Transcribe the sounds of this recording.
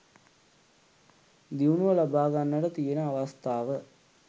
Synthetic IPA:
d̪iunuʋəlabaːɡanːəʈət̪ijenəaʋɐst̪aːʋə

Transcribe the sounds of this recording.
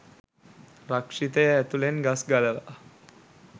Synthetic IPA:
rakʂit̪əjəæt̪ulenɡasɡaləʋa̰ʔ

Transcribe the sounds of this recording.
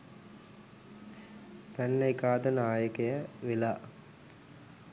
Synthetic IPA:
ʋænːəikaːd̪ənaːjəkejəʋela

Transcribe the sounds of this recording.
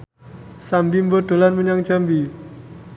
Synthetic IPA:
sambimbod̥o̤lanməɲaŋd͡ʒambi

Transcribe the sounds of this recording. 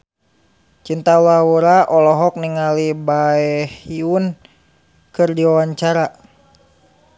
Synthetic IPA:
t͡ʃint̪alawuɾaʔɔlɔɦɔk̚niŋalibaɛhiun | kɨrdiwawaɲt͡ʃaɾa

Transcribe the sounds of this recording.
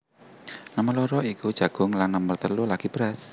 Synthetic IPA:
nəməlɔɾɔikud̥ʒ̥a̤ɡ̥ʊŋlanːəmərt̪əlulaɡ̥ib̥ɾas

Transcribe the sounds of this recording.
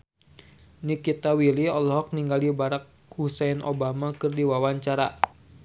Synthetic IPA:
nikit̪awiliɔlɔɦɔk̚niŋɡalibaɾak̚husɛnʔo̰bamakɨrdiwawaɲt͡ʃaɾa̰

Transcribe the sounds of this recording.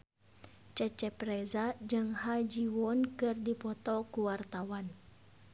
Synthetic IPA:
t͡ʃət͡ʃɛpɾɛzad͡ʒɨŋhad͡ʒiwɔnkɨrdipɔt̪ɔkuwart̪awan

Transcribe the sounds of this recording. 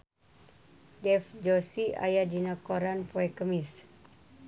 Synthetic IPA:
dɛfd͡ʒosia̰jadinakoɾanpoɛkəmis

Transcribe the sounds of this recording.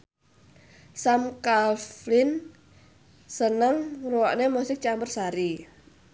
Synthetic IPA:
samkalflɪn | sənəŋruwaʔnemusɪk̚t͡ʃambərsaɾi

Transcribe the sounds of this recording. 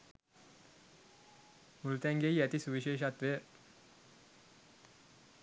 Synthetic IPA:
mult̪ɛŋɡejæt̪isuʋiʃeːʃat̪ʋe

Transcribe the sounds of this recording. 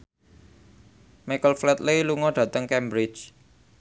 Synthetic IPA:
makəlflɛt̪̚lejluŋɔɖ̥ä̤t̪əŋkɛmbɾɪ̥t͡ʃ

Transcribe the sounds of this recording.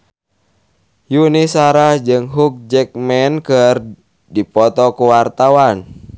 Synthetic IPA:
junisaɾad͡ʒɨŋɦuk̚d͡ʒɛk̚mɛnkɨr | dipɔt̪ɔkuwart̪awan

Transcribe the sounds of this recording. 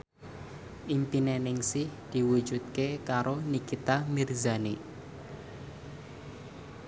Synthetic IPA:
ʔimpinenɪŋsɪhd̪̥i̤wud̥ʒ̥ṳt̪̚kekaɾonikit̪amirzane

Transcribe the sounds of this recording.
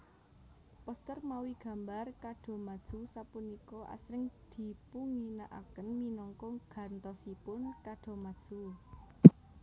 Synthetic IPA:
pɔst̪ərmawiɡ̥ä̤mbarkaɖ̥ɔ̤mad̥ʒ̥usapunikɔʔa̰sɾɪŋd̪̥i̤puŋinaʔakənminɔŋkɔɡ̥a̤nt̪ɔsipʊnkaɖ̥ɔ̤mad̥ʒ̥u

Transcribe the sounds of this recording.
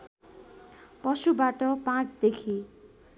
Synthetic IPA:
pʌsubaʈʌpãt͡sd̪ekʰi

